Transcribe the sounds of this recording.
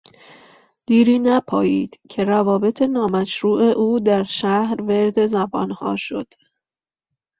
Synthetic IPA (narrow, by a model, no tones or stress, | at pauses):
d̪̥iːɾiːnæpʰɒ̰ːjiːd̪̥cʰe̞ɾævɒːbe̞t̪ʰe̞nɒːmæʃɾuːʔe̞ʔuːd̪æɾʃæhɾveɾd̪e̞zæbɒːnhɒ̰ːʃo̞̰d̪̥